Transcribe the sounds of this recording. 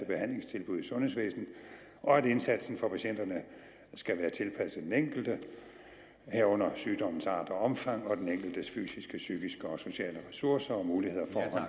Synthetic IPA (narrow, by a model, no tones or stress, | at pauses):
əb̥e̝hæn̰le̝ŋst͡sʰe̝lb̥uð̞ˠsɔ̽nɦhesʋḛːsn̩ | ʔɒ̽æd̥e̝nsæd̥sn̩fɒ̽pʰæɕen̰d̥ɐnə | sɡ̥æʋæːɐt͡sʰe̝lpʰæsəd̥eneŋ̰ɡ̥l̩d̥ə | hæɐ̰ɔ̽n̰ɐsyːd̥ɒ̽m̰n̩sɑ̈ːd̥ɒɒ̽mfɑ̈ŋ̰ɒ̽d̥eneŋ̰ɡ̥l̩d̥əsfy̰ːsisɡ̥əsyːɡ̥isɡ̥əɒ̽so̝ɕɛ̰ːləʁɛsuɐsɐɒ̽muːlihe̝ð̰ˠɐfɒːɒ̽n